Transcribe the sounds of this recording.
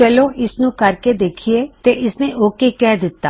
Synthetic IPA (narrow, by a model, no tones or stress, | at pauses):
t͡ʃɐloʔɪsnũkɐɾked̪eːkʰiet̪eʔɪsneʔoːkekɛːd̪ɪt̪ːaː